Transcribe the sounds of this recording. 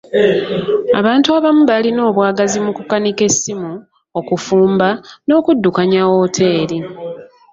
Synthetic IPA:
a̰βaːntuaβamuβalino̞ːβwaːɡazimukukanike̞simu | okufuːmbano̞ːkudːukaɲawoːtʰe̞ːɾi

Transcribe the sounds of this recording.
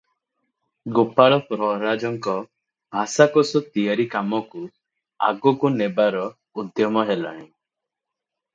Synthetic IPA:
ɡopaɭɔpɾɔɾad͡ʒɔŋkɔ | bʱasakɔsɔt̪ijaɾikamɔku | a̰ɡɔkunebaɾɔ | ud̪jɔmɔɦelaɽ̃ĩ

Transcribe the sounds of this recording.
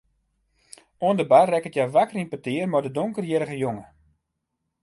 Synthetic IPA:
uəndəbarːɛkətjaʋakərinpətɪərmardədoŋkərjɪɾəɣəjoŋə

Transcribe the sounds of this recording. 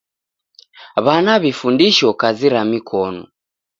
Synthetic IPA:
βanaβifundiʃɔkaziɾamikʰɔnɔ̰

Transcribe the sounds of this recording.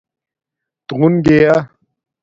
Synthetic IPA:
t̪ɣunɡeja

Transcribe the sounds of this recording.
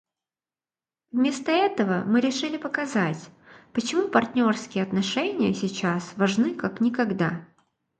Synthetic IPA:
vmʲe̞st̪əɛt̪əvəmɨɾʲɪʂɨlʲɪpəkɐzatʲpət͡ɕɪmupɐrtʲnʲo̞rskʲɪjəɐt̪nɐʂɛnʲɪjəsʲɪt͡ɕasvɐʐnɨkaknʲɪkɐɡd̪a

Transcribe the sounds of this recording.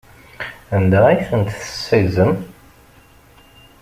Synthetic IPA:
ænd̪æiθənt̪θə̥sːæjzəm

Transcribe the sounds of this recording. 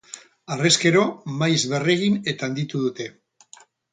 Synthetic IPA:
areske̞ɾo̞majzβere̞ɣine̞t̪aand̪it̪uðut̪e̞

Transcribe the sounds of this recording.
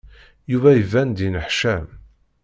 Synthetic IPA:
juvæjəvænd̪inəħʃæm

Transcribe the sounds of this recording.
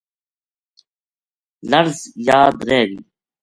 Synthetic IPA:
lɐɾzjaːd̪ɾeːwiː

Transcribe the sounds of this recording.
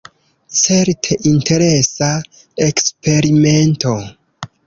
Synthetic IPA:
t͡se̞ɾtʰe̞ʔinte̞ɾe̞sa | ekspe̞ɾime̞nto̞

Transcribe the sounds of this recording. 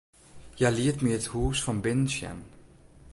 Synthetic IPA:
jajliːtmiəthuːsfɔnbɪnsjɛ̰n

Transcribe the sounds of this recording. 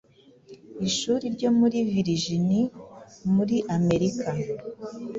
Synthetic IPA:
iʃuːɾiɾɟo̞ːmuɾiviɾiʒinimuɾiʔame̞ɾikʰa

